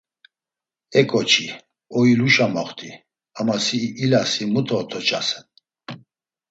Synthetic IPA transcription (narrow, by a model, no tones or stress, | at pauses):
ɛkʼɔt͡ʃʰi | ɔiluʃamaχt̪ʰʼi | amasiʔːlasimut̪ʰɔt̪ʰɔt͡ʃʰʼasɛn